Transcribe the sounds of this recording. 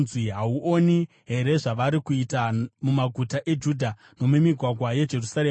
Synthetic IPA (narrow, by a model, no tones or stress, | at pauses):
zwiɦauʔoni | ɦe̞ɾe̞ʐaʋaɾikuitamumaɡʱutaʔe̞d͡ʒudʱa | no̞mumiɡʱwaɡʱwaje̞d͡ʒe̞rusare